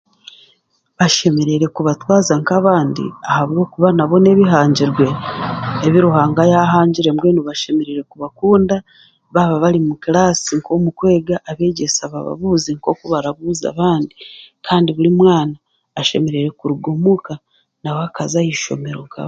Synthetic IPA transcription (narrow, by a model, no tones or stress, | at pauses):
βaʃe̞me̞ɾeɾe̞kuβatwaːzaŋkaβaːndḭahaβɡo̞ːkuβanaβo̞ne̞βiɦaːɲɟiɾɡwe̞ː | βiɾuɦaːŋɡajaɦaːɲɟiɾe̞mɡeːnuβaʃe̞me̞ɾeɾe̞kuβakuːnda | βaβaβaɾimukilaːsiŋkʰo̞mukwe̞ːɡaʔːβe̞ːɟe̞saβaβa̰βuziŋko̞kuβaɾaβuza̰βaːndikʰaːndiβuɾimwaːnaː | ʃe̞me̞ɾe̞ɾe̞kuɾuɡomuka | nawakazajiʃo̞̰me̞ɾo̞ŋka̰β